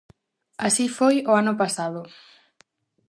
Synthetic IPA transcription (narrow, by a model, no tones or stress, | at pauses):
asifojoanʊpasaðʊ